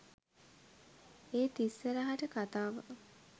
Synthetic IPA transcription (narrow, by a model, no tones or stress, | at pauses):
eːt̪isːəɾaɦaʈəkat̪aːʋə̰